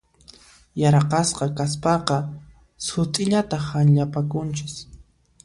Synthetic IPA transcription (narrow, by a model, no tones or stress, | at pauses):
jaɾqɑsqɑkaspɑqɑ | sʊt̪ʼɪʎat̪ahanʎapakʊnt͡ʃɪs